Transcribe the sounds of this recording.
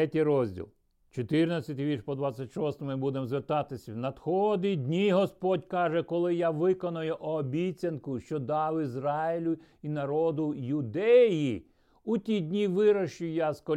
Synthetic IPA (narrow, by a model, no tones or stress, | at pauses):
ɛtʲiɾɔzʲdʲḭlˠ | t͡ʃɔt̪ɪrnɐt͡sʲɐt̪ɪʋʲirʃpɔd̪ʋɑt͡sʲːɐtʲʃɔst̪ɔmʊibud̪emzʋert̪ɑt̪ɪsʲɐwnɐd̪xɔd̪id̪ʲnʲiɦɔspɔdʲkɑʒɛkɔlˠɪjaʋɪkɔnɐjʊʔɔbʲit͡sʲɐnkʊʃt͡ʃɔd̪ɑwizɾɑɪlʲʊ | inɐɾɔd̪ʊjʊd̪ɛji | utʲidʲnʲiʋɪɾɐʃt͡ʃʊjaskɔ